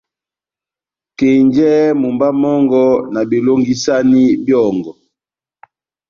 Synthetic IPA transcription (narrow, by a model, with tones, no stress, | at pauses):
ke˨ɲd͡ʒɛ˦mu˨mba˦mɔ˦ŋɡɔ˦na˨bi˨lo˦ŋɡi˦sa˦ni˦bjɔ˦˨ŋɡɔ˨